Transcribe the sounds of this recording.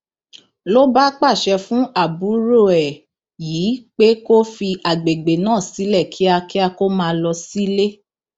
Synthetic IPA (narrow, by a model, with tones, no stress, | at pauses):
lo˦ba˦k͡pa˦˨ʃɛ˧fũ˦a˦˨bu˨˦ɾo˦˨ɛ˨ | jiː˨˦k͡pe˦ko˦fi˧ʔa˨ɡ͡be˨ɡ͡be˨nãː˦˨si˨˦lɛ˦˨kʰi˨˦a˧ki˦a˧ko˦mãː˧lɔ˧si˦le˦